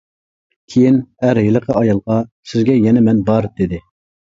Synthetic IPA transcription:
kʲʰejinhæɾjɪlˠəqʰəɑjɑlˠʁɑsɪzɡʲɛjɛnɛmɛnbɑɾd̪ɪd̪ɪ

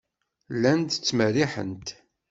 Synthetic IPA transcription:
lːænt̪t͡sːməriħə̰nt̪

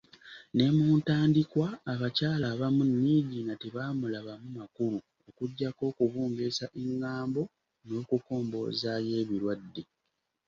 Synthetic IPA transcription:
ne̞muːntaːndikwaːβacaːlaβamunːiːɟinateβaːmulaβamumakulu | okuɟːako̞ːkuβuːmbesaʔeŋːaːmbo̞ | no̞ːkuko̞ːmbo̰zaje̞ːβiɾwadːe

